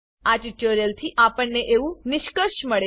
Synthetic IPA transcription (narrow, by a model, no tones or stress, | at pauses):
at͡ʃiʈəɾjəlt̪ʰiʔapəɳːeʔeʋũnɪʃkəʃməɭe